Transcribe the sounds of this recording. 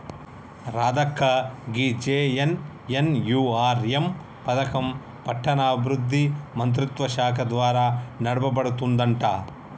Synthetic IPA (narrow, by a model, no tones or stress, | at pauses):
ɾaːd̪ɐkʰːɐɡid͡ʒeːen | jenjuːaːɾjem | pɐd̪ɐkɐm | pɐʈʰːɐnaːbɾud̪ʱːimɐnt̪̬ɾit̪ʋɐʃaːkʰɐd̪ʋaːɾaːnɐɽɐbɐbɐɽut̪und̪ɐɳʈɐ̰